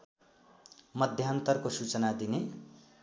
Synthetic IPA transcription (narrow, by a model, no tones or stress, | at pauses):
mʌd̪ʱjaʌnt̪ʌrkosut͡sʌnad̪ine